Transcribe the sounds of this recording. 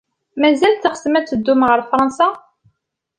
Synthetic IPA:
mæzæləχə̥smæt͡sːəd̪ːʊmʁəɾfɾˤɑnsa

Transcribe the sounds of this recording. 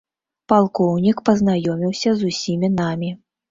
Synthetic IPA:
palˠkɔwnʲikpɐznajɔmʲiwsʲɐzusʲimʲinamʲi

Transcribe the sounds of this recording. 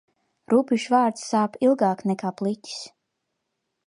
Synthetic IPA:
ɾupʲiʃvaːɾt̪ssaːpilˠɡaːknɛkaːplˠit̪ʲi̥s

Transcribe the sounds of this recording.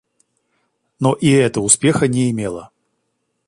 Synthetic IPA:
noʔiɛt̪əʊspʲexənʲɪːmʲelˠə̰

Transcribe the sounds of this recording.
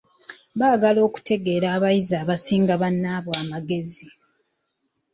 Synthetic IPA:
βaːɡalo̞ːku̥te̞ɡe̞ːɾaːβajizaːβasiːŋɡaβanːaːβoamaɡe̞zi

